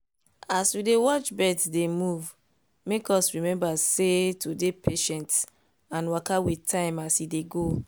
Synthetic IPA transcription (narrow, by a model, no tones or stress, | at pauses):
aswidewɔt͡ʃbɛdsdemuv | mekɔsɹimɛ̃mbasetʰodepʰeʃɛ̃nts | ãnwakawitʰãɪ̃masideɡo